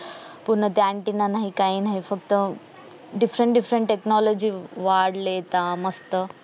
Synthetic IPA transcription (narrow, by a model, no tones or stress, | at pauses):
puɾnət̪eãɳʈinanaɦikaɦiːnaɦifək̚t̪ə | ɖifɾəɳʈɖifɾəɳʈʈeknɔlod͡ʑiːʋaɽlet̪aməst̪ə